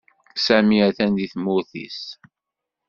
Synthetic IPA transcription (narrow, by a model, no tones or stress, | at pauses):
sæmiæθænd̪iθmʊθḭs